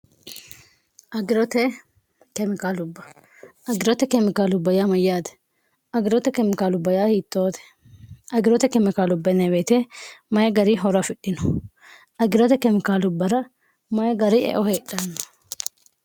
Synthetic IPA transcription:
ʔɐɡɪɾɔt̪ɛ | kɛmɪkaːlʊbːɐ | ʔɐɡɪɾɔt̪ɛkɛmɪkaːlʊbːɐjaːmɐjːaːt̪ɛ̥ | ɐɡɪɾɔt̪ɛkɛmɪkaːlʊbːɐjaːhiːt̪ːoːt̪ɛ̥ | ɐɡɪɾɔt̪ɛkɛmɪkaːlʊbːɐnɐbeːt̪eːmɐjɐɡɐɾiɦɔɾɐfɪɗːɪnɔ̥ | ʔɐɡɪɾɔt̪ɛkɛmɪkaːlʊbːɐɾɐ | mɐjɐɡɐɾɪʔɛ̰ʔɔheːɗːɐnːɐ

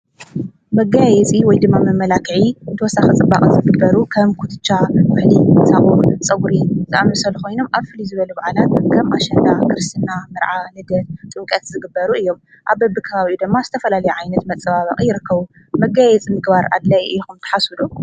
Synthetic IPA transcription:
mɐɡajɛt͡sʼiwɔjd̪ɨmːamɐmːɐlakʰɨʕiɨnt̪ʰwɔsaxɨt͡sʼɨbːa̰kʼɨzɨɡɨbːɐɾukʰɐmkʰut̪ʰɨt͡ʃʼːamɨħlisaʔʼut͡sʼɐɡuɾizɨʔamɨsɐlɨxojno̞mʔaβfɨlizɨβɐlubaʕalat̪kʰɐmʔaʃɐd̪akʰɨɾɨst̪ʰɨnːamɨɾʕanɨd̪ɐt̪t̪ʼɨŋkʼɐt̪zɨɡɨbːɐɾuɨjːo̞m | ʔaβbɐbːɨkʰɐβaβiud̪ɨmːazɨt̪ʰɐfɐlalɐjuʕajnɐt̪mɐt͡sʼɐβaβɐ̰kʼjɪɾɨkːɐβu | mɐɡajɛt͡sʼimɨɡbaɾa̰d̪lajɨjxumt̪ʰɐ̥ħasulu

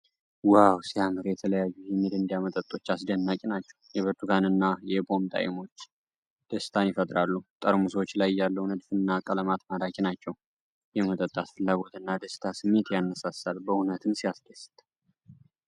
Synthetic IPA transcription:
wawsiamɨɾjɛt̪ʰələjajːujɛmid̪ɨnd̪jamət̪ʼət̪ʼo̞t͡ʃːasd̪ənːakʼinat͡ʃːɛ̥wjɛβəɾt̪ʰukʰanɨnːajɛbo̞mt̪ʼa̰jɪmo̞t͡ʃː | d̪̥əsɨ̥t̪ʰanjɪfət̪ʼɾalːut̪ʼəɾmusəwot͡ʃːlajjalːəwnəd̪fɨnːakʼələmat̪mad̪akʼinat͡ʃːɛw | jɛmət̪ʼət̪ʼːat̪fɨlːaɡo̞t̪ɨnːad̪əsɨ̥t̪ʰasɨmːe̞t̪janːəsasalbəhunət̪ʰɨnsiasd̪əsɨ̥t̪ʼ

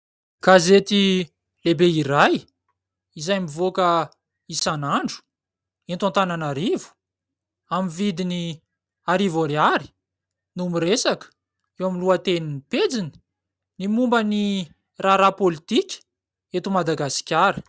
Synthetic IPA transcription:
ɡ̥azet̪i | lebeiɾaj | izajmivokə | isanaɳɖ͡ʐu̥ | ent̪ãnt̪ananaɾivu̥ | amivid̪ini | aɾivaɾiaɾi̥ | numiɾesakə̥ | ewamiluat̪eniniped͡zini̥ | nimumbəni | raɾapolit̪ikʲə̥ | et̪umad̪aɡasi̥kʲaɾə̥

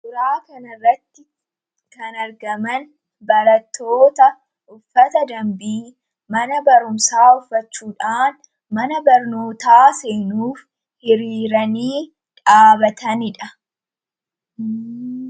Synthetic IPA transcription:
d̪ʊɾaːkɐnɐrːɐt̪ːɪ | kɐnɐɾɡɐmɐn | bɐɾɐt̪ːo̞ːt̪ɐ | ʔʊfːɐt̪ɐd̪ɐmbiː | mɐnɐbɐɾʊmsaːʊfːɐt͡ʃːuːᶑaːn | mɐnɐbɐɾno̞ːt̪aːseːnuːf | hɪɾiːɾɐniː | ᶑaːbɐt̪ɐnɪᶑɐ

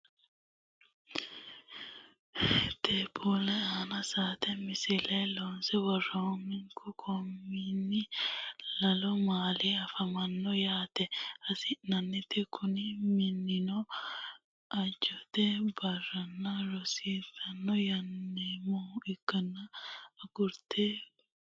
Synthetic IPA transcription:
t̪eːbolɛaːnɐsaːt̪ɛmɪsɪlɐjloːnsɛwɐrːɐɔmːɪŋkʰʊkʰɔmːinːɪ | lɐlɔmaːliɐfɐmɐnːɔjaːt̪ɛɐsɪnɐnːɪt̪ːɛkʰʊnɪmɪnːɪnɔ | ʔɐd͡ʒɔt̪ɛbɐrːɐnːɐɾɔsiːt̪ɐnːɔjɐnːemɔɪkːɐnːɐːɡʊɾt̪e

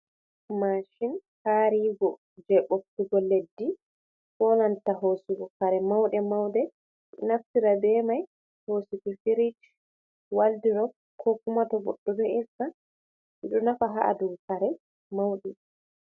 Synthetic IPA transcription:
maʃin | haɾiɡɔ | d͡ʒɛɓof̚tiɡɔledːi | fɔnantaɦosiɡɔkaɾɛmawɗɛmawdɛ | naftiɾabɛmaj | hosikufiɾid͡ʒ | waldiɾɔk̚ | kʰokːumatɔbɔɗːɔdɛɛsa | ɗɔnafaɦaʔa̰duɡkaɾɛ | mawɗi

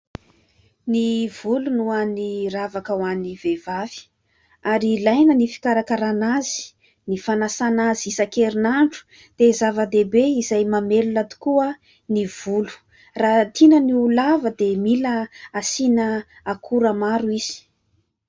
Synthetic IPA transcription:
niv̥ulunuaniravakəwanivevavi̥ | aɾilajnənifi̥kaɾakaɾanazi̥ | nifanasanazisakeɾinaɳɖ͡ʐu̥ | d̪̥ezavəd̪ebeizajmamelulat̪u̥kuə | niv̥ulu̥ | rat̪ʰinəniulavəd̪emiləasinə | akʰuɾamaɾuiz̥i̥

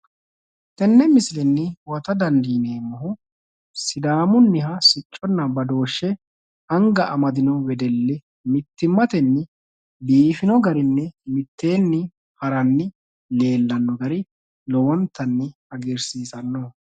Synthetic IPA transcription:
t̪ɛnːɛmɪslɛnːɪwɐt̪ɐd̪ɐnd̪iːneːmɔɦʊ | sɪd̪aːmʊnːɪɦɐsɪt͡ʃʼːɔnːɐbɐd̪o̞ːʃːɛ | ɐŋɡɐʔɐmɐd̪ɪnɔwɛd̪ɛlːɛ | mɪt̪ːɪmːɐt̪ɛnːɪ | biːfɪnɔɡɐɾɪnːɛmɪt̪ːe̞ːnːɪ | hɐɾɐnːɪ | le̞ːlːɐnːɔɡɐɾɪ | lɔwɔnt̪ːɐnːɪ | ɐɡɪɾsiːsɐnːɔ

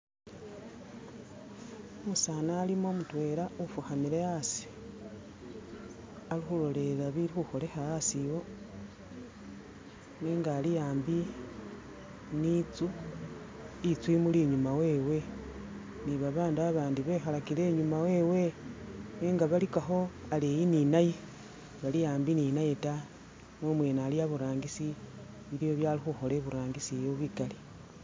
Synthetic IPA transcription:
omusaːnaːlimo̞mutwe̞ɾaufuxamiɾe̞asi̥ | alixulo̞le̞laβiɾixuxo̞le̞xaasiwo̞ | neːŋɡaːlijaːmbi | nit͡su | it͡swimuliɲumawe̞ːwe̞ | niβaβaːndaβaβaːndiβexalakile̞ɲumawe̞we̞ | neːŋɡaβalikaxo̞alejininaje | βalijaːmbininaje̞ta | no̞mwe̞naːlijaβuɾaːŋɡisi | βilijo̞βjalixuxo̞le̞βuɾaːŋɡisijoβwikali

